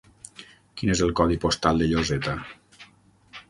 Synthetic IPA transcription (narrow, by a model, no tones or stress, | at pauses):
kinezəlˠkɔðipost̪alˠd̪eʎozet̪a